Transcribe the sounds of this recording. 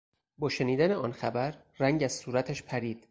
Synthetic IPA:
bɒːʃe̞niːd̪æneɒːnxæbæɾ | ræŋɟæz̥suːɾæt̪ʰæʃpʰæɾiːd̪̥

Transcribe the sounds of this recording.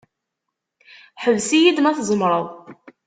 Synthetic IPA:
ħəvsijid̪mæθzˤəmɾˤəðˤ

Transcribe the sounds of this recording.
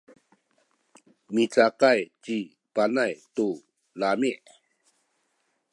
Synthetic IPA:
mit͡saqajt͡ɕi | panajt̪u | lamiʔ

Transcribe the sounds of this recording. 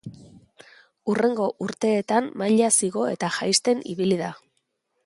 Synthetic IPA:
ure̞ŋɡo̞ʔuɾt̪e̞ːt̪amːaʎasiɣo̞e̞̰t̪aʝajst̪e̞nḭβilið̞a

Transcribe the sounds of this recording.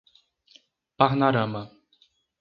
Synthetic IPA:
paɦnaɾama

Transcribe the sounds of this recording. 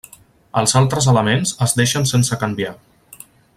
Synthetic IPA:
əlˠzalˠt̪ɾəzələmenzəzd̪eʃənsensəkəmbia

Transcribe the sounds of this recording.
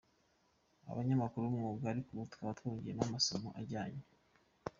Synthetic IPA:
a̰βaɲamakuɾumŋuːbɡaaɾikuβutkaβatkuːɲɟijenamasomoʔaɟaːɲe

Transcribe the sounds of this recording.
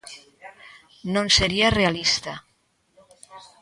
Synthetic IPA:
nõnseɾiarealist̪a

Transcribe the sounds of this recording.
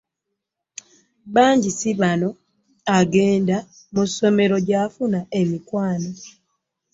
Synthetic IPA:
βaːɲɟisiβano̞ | aɡe̞ːnda | muso̞me̞ɾo̞ɟafunae̞mikwaːno

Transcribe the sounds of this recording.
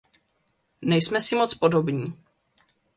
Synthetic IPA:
nɛjsmɛsɪmo̞t͡spo̞do̞bɲiː

